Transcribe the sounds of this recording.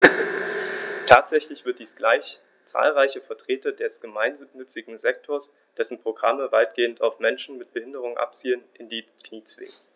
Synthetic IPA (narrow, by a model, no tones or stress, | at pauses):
tʰaːtz̥ɛçlɪçv̥ɪɐt̚d̥iːsɡ̥laɪç | t͡sa̰ːlʁaɪçəfɛɐtʁ̥eːtɐdɛsɡ̥əmaɪnːʏt͡sɪɡŋ̩zɛktʰoːɐs | d̥ɛsn̩pʁ̥oɡʁaməvaɪt̚ɡ̥eːəntʰaʊfmɛnʃn̩mɪt̚b̥əhɪndəʁ̞ʊŋʔa̰p̚t͡siːənʔɪndiːkniːt͡sv̥ɪ̰ː